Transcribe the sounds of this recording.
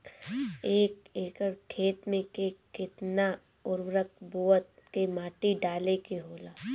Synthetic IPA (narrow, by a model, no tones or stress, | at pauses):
eːkeːkəɾkʰeːt̪mẽkekɪt̪na | ʊɾwɾəkbuːət̪̚kemaːʈiɖaːlekeɦoːlaː